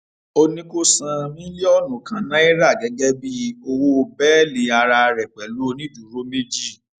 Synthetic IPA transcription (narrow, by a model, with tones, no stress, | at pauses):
o˧nĩ˦ko˦sã˧mĩ˦le˦ɔ˦˨nũ˨kã˧nã˦i˦ɾa˦˨ɡɛ˨˦ɡɛ˦bi˦o˧wo˦˧bɛ˦le˨a˧ɾa˧ɾɛ˨k͡pɛ˨lo˦nĩ˦d͡ʒu˨ɾo˨˦me˦d͡ʒi˦˨